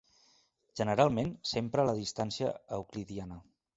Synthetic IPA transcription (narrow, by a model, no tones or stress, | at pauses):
ʒ̥ənəɾalˠmensempɾələðist̪ansiəːukliðianə